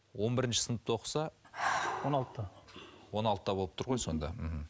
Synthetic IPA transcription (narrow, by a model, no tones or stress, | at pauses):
wo̞nbɪɾɪnʃɪ̥sənəp̚t̪woqə̥sɑ | wonɑlˠt̪t̪ːəwo̞nɑlˠt̪ət̪ɑbo̞lˠəpt̪ʰʊɾʁo̞jso̞̰nd̪ɑ̰mɪɦm̩